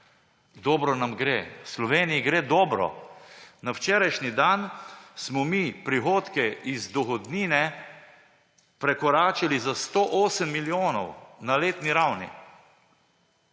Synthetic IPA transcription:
d̪ɔːbɾɔnamɡɾeːwslɔʋeːnijiɡɾeːd̪ɔːbɾɔ̰nawt͡ʃɛːɾajʃnid̪ansmɔmiːpɾixoːt̪kɛizd̪ɔxɔd̪niːnɛ | pɾɛkɔɾaːt͡ʃalizast̪oːʔoːsəmːiljoːnɔwnaleːt̪niɾawnḭ

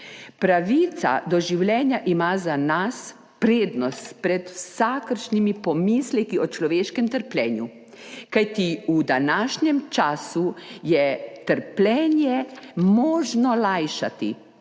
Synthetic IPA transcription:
pɾaʋit̪sa̰d̪ɔʒiwlʲjɛːnjaʔimaːzanas | pɾeːd̪nɔst̪pɾɛt̪wsakəɾʃnimipɔmiːslɛkiɔt͡ʃlɔʋeːʃkɛmt̪əɾplʲɛːnju | kajt̪iud̪anaʃɲɛmt͡ʃaːsujɛt̪əɾplʲɛːnjɛmɔːʒnɔlajʃat̪ḭ

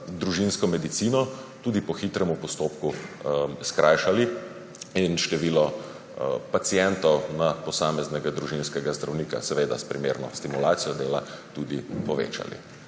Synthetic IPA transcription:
d̪ɾuʒinskɔmɛd̪it̪siːnɔt̪ud̪ipɔxit̪ɾɛmupɔst̪oːpku | skɾʔaːjʃali | inʃt̪ɛʋiːlɔ | pat̪sijɛnt̪ɔwnapɔsaːmɛznɛɡad̪ɾuʒinskɛɡazd̪ɾawniːka̰sɛʋeːd̪a̰spɾimeːɾnɔst̪imulaːt̪sijɔd̪eːlat̪ud̪ipɔʋḛːt͡ʃa̰lḭ

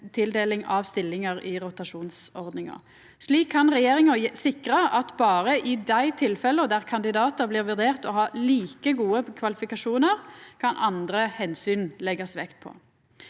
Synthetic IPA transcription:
t̪ʰɪld̪eːlɪŋɑʋst̪ɪlːɪŋəʁɪʁʊt̪ɑʂuːnsɔʁd̪nɪŋɑ̰ | ʂliːkʰːɑnʁɛjeːʁɪŋɑsɪkɾəʔɑt̪bɑːʁəʔɪd̪æɪt̪ʰɪlfɛləɔd̪æʁkʰɑnd̪ɪd̪ɑːt̪əbliːʁʋʉʁd̪eːʁt̪ɔɦɑːliːkəɡuːəkʰʋɑlɪfɪkɑʂuːnəʁkʰɑnʔɑnd̪ɾəhɛnsyːnlɛɡɑsʋɛkt̪̚pʰɔ̰

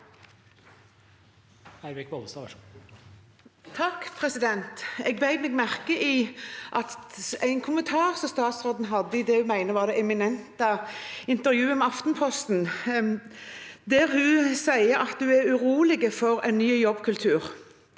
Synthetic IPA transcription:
æɪɾɪkbod̪əsɑ | t̪ʰɑkːpʰʁɛsɪd̪ɛnt̪ɛɡbæɪd̪mɛɡmæʁkəʔiːʔɑt̪æɪnkʰʊmənt̪ʰɑːʁsɔmst̪ɑːt̪sʁoːd̪n̩ɦɑd̪ːəɪd̪ɛːʉmæɪnəʋɑːʁd̪ɛʔɛmɪnɛnt̪əɪnt̪əʁjʉːəmɛɑft̪npʰɔst̪n̩ | d̪æːʁhʉsæɪəɾɑt̪d̪ʉːæɾʉʁuːlɪɡəfɔʁæ̰ɪnnyːjɔbkʰʉlt̪ʰʉːʁ

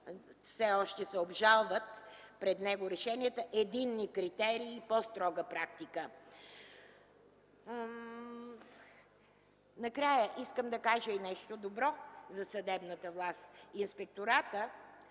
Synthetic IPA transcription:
fsɛɔʃt̪ɛsɛobʒalˠvət̪ | pɾɛd̪nɛɡoɾɛʃɛniət̪əʔɛd̪inːikɾit̪ɛɾiːpɔst̪ɾɔɡəpɾakt̪ikə | nɐkɾajəʔiskəmd̪ɐkaʒəinɛʃt̪od̪obɾɔzɐsɐd̪ɛbnət̪əvlˠast̪inspɛk̚t̪oɾat̪ə

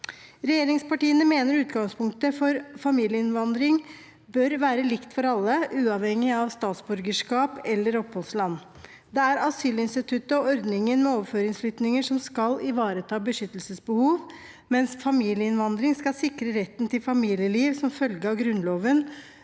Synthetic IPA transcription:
ɾɛjeːɾɪŋspɑʈiːənəmeːnəɾʉːt̪ɡɑŋspʰʊŋk̚t̪əfɔɾfɑmiːljəɪnʋɑnd̪ɾɪŋ | bœɾʋæːɾəlɪkt̪fɔɾɑlːəʔʉːɑʋhɛŋːɪɑʋst̪ɑːt̪sbʉɾɡəʂkɑːpɛlːəɾɔpʰːhɔlslɑnː | d̪ɛæɾɑsyːlɪnst̪ɪt̪ʰʉt̪əɔɔɾd̪nɪŋənmɛoːʋføːɾɪŋsflʏt̪nɪŋəʂɔmskɑlɪʋɑːɾət̪ʰɑːbəʂʏt̪ːəlsəsbəhuːʋ | mɛnsfɑmiːljəɪnʋɑnd̪ɾɪŋskɑlsɪkɾəɾɛt̪ːnt̪ɪlfɑmiːljəliːʋsɔmfœlɡəɑʋɡɾʉnloːʋən

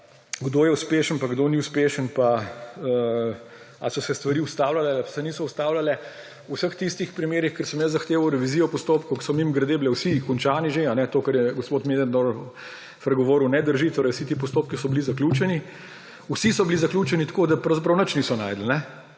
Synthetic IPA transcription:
ɡd̪oːjɛuspeːʃənpaɡd̪oːniʊspeːʃənpaə | a̰sɔsɛst̪ʋɐɾiːʊst̪aːwlalɛasɛniːsɔust̪aːwlalɛ | usəxt̪ist̪ixpɾimeːɾixkəɾsəmjəszɐxt̪eːʋɐwɾɛʋiziːɔpɔst̪oːpkoksɔmimɡɾɐd̪eːbilɛwsikɔnt͡ʃaːniʒeanɛt̪oːkɐɾjɛɡɔspoːt̪meːd̪and̪oɾ | pɾɛɡɔʋoːɾunɛd̪əɾʒit̪oːɾɐjwsit̪iːpɔst̪oːp̚kisɔbilizakluːt͡ʃɛni | usisɔbilizɐklʲuːt͡ʃɛnit̪kod̪apɾɐwzap̬ɾɐwnət͡ʃniːsɔna̰jd̪l̩nɛ

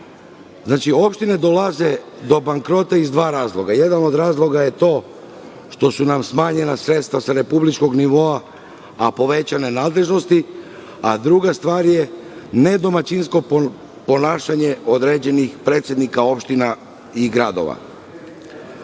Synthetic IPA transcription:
znaːt͡ʃio̞pʃt̪ine̞d̪o̞laze̞ | d̪o̞baŋkɾo̞t̪aizd̪ʋaːɾaːzlˠo̞ɡaje̞d̪ano̞d̪ɾaːzlˠo̞ɡaje̞t̪o̞ː | ʃt̪o̞sunamsmaːɲe̞nasɾe̞t̪st̪ʋasaɾe̞publit͡ʃko̞ɡniʋo̞aː | po̞ʋe̞t͡ɕane̞naːd̪le̞ʒno̞st̪i | ad̪ɾuɡast̪ʋaːɾje̞ne̞d̪o̞mat͡ɕinsko̞ | po̞naːʃaɲe̞od̪ɾe̞d͡ʑe̞nixpɾet̪sjed̪nikao̞pʃt̪ina | iɡɾad̪o̰ʋa̰

